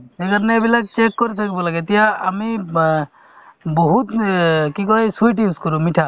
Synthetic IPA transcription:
ekaɾɔneebilak̚t͡ʃekːoɾit̪ʰakibɔlaɡet̪ijaami | boɦut̪kikɔesujʈ̬iskɔɾumiʈʰa

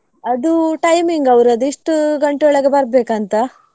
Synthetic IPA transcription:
ɐd̪uʈɐjmiŋɡɐʋɾɐd̪uiʂʈuɡɐɳʈuɔɭɐɡebɐɾbeːkɐnt̪ɐ

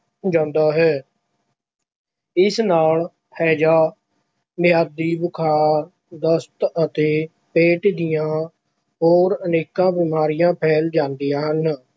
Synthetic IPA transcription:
d͡ʒãːnd̪aːɦɛː | ɪsnaːl | pʰɛːd͡ʒaː | mɪjaːd̪iːbʊkʰaːɾ | d̪əst̪ət̪eː | peːʈd̪ɪjãː | ɦoːɾəneːkãːbɪːmaːɾɪjãːpʰɛːld͡ʒãːnd̪ijãːɦən

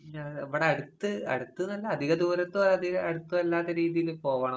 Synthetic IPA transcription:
ɐeʋiɽeɐɽut̪ːɨɐ̰ɽut̪ːɨnɐlːɐɐd̪ʱiɣɐd̪uːɾɐt̪ːoːɐd̪iɐɐɽut̪ːuʋɐlːaːt̪ːɐɾiːðijilupo̞ːʋɐːɳɐ

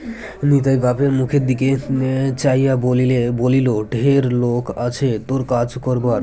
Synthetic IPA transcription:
nit̪̬ajɡapeɾmukʰeɾd̪iket͡ɕajabolileboliloɖʱeɾlokat͡ɕʰet̪oɾkad͡ʑkɔɾbaɾ

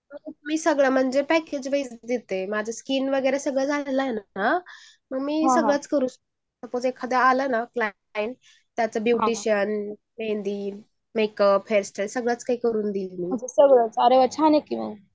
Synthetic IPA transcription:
məɡmiːsəɡɭam̤əɳd͡zepæked͡ʑʋəjt͡sd̪it̪emad͡zʱaskiːnʋəɡəjɾasəɡɭad͡zʱallajena | məɡmiːsəɡɭat͡skəɾuːs | t̪əpot͡sekʰad̪aalənakla | jin | t̪jat͡sabjuʈiɕən | mend̪iː | mekəbfʰeɾsʈəlsəɡɭat͡skaɦiːkəɾuːnd̪iːlmiːsəɡɭət͡səɾeət͡ɕʰanekiʋə̰ɡ

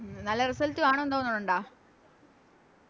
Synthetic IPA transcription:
nɐlːɐrisɐltːiaːɳoend̪oːɐnːɐnːuɳɖaː

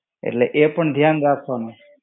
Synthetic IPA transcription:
ḛʈleʔepəɳd̪ʱjanɾakʰone

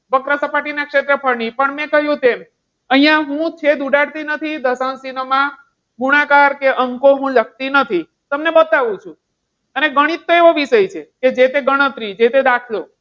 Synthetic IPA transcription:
bəkɾəsəpaʈinakʂet̪ɾəpʰəɾɳipəɳmɛ̃kəɦjũt̪em | əɦĩjãɦũt͡ʃʰed̪uɖaɽt̪inət̪ʰid̪əsañsinəmã | ɡuɽ̃akaɾkeʔəŋkoɦũlək̚t̪inət̪ʰi | t̪əmnebət̪aʋũt͡ʃʰũ | əneɡəɽ̃it̪ːoeʋoʋiʃəjt͡ʃʰeked͡ʒet̪eɡəɽ̃ət̪ɾid͡ʒet̪ed̪akʰlo

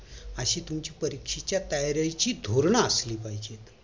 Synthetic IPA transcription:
əɕiːt̪umt͡ɕiːpəɾikʂit͡ɕjat̪ajɾjajt͡ɕiːd̪ʱoɾɳaəsliːpaɦid͡ʑet̪

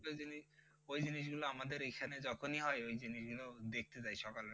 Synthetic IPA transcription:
oini | ojd͡ʑiniʃ̬ɡuloamad̪eɾekʰaned͡ʑɔkʰoniɦɔeojd͡ʑiniʃɡulod̪ek̚ʰt̪et͡ɕajʃɔkal

